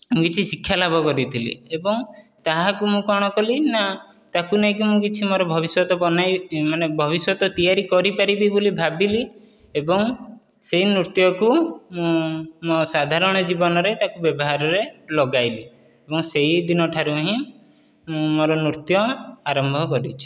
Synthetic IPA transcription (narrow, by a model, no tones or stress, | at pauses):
mũkit͡ʃʰisikʰjalabʱɔkɔɾit̪ʰilḭebɔŋt̪aɦakumũkɔɽ̃ɔkɔlina | t̪akuneĩk̬imũkit͡ʃʰimɔɾɔbʱɔbisjɔt̪ɔpɔnajmanebʱɔβisjɔt̪ɔt̪ijaɾikɔɾipaɾibibolibʱabili | ebɔŋ | seɦinɾuɾt̪jɔkumũmɔsad̪ʱaɾɔɽ̃ɔd͡ʒibɔnɔɾet̪akubjɔbɔɦaɾɔɾelɔɡajli | ebɔŋseɦid̪inɔʈʰaɾuɦĩ | mũmɔɾɔnuɾt̪jɔaɾɔmbʱɔkɔɾit͡ʃʰu̥